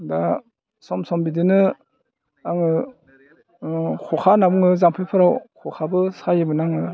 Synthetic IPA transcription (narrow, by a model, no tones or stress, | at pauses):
da | sɔmsɔmbidɯnɯ | aŋɯ | kʰɔkʰanabuŋɯzampʰɯjpʰɯɾawkʰɔkʰabɯsajɯbɯnaŋɯ